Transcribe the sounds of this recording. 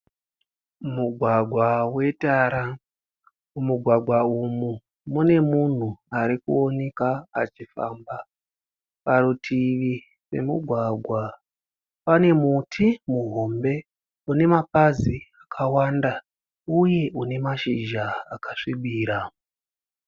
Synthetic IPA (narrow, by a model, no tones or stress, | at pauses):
muɡʱwaɡʱwawe̞taɾa | muɡʱwaɡʱwaumu | mune̞mun̤uaɾikuone̞kaat͡ʃifa̰mba | paɾutʰiʋi | se̞̰muɡʱwaɡʱwa | pane̞mutʰimuɦombe̞ | une̞mapaziakʰawanda | uje̞ʔune̞maʃiʒaːkaʂiɓiːɾa